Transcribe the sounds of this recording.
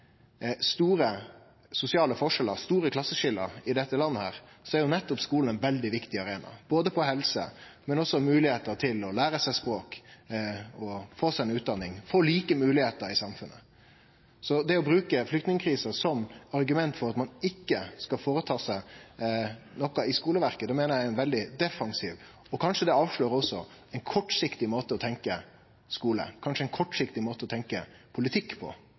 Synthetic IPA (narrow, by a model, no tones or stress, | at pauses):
st̪uːɾə | sʊsɪɑːləfɔʂɛləɾst̪uːɾəkʰlɑsːəʃɪlə̰ɾɪd̪ɛt̪ːəlɑnːəhæːɾsɔæɾjʊnɛt̪ːɔpskuːln̩ɛnʋɛld̪ɪʋɪkt̪ɪɑɾeːnɑ̰b̥oːd̪əpʰɔhɛlsə̰mɛnɔsːɔmʉːlɪheːt̪əɾt̪ʰɪlɔlæːɾəsæɪspɾoːk | ɔfoːsæɪɛnʉːt̪̚d̪ɑnːɪŋfoːliːkəmʉːlɪheːt̪əɾɪsɑmfʉnːʔə̰ | sɔd̪ɛɔbɾʉːkəflʏkt̪nɪŋəkʰɾiːsəsɔmɑɾɡʉmɛnt̪fɔɾɑt̪mɑnɪkːəskɑfoːɾət̪ʰɑːsæɪ | nɔkːɑɪskuːləʋæɾkəd̪ɛmeːnəɾjæɪɛnʋɛld̪ɪd̪ɛfɑŋsiːʋ | ɔkʰɑnʂəd̪ɛɑːʋʂɭøːɾɔsɔɛɪnkʰɔʈːʂɪkt̪ɪmoːt̪əɔt̪ʰɛŋkə | skuːlə̰kʰɑnʂəɛɪnkʰɔʈːʂɪkt̪ɪmoːt̪əɔt̪ʰɛŋkəpʰʊlɪt̪ʰɪkːpʰɔ̰